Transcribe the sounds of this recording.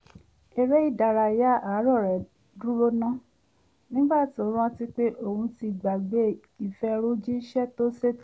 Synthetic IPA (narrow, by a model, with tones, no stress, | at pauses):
ɛ˨ɾɛ˦i˦˨da˨ɾa˧˨ja˦a˨˦ɾɔ˦˨ɾɛ˨ | dũ˦ɾo˦nã˦ | nĩ˦ɡ͡ba˦˨ti˨o˨˦ɾ̃ɔ̃˦ti˦k͡pe˦ʔo˨hũ˧ti˧ɡ͡ba˨ɡ͡be˨˦˨ | i˨fɛ˧˦ɾo˦d͡ʒi˦ʃɛ˦to˦se˦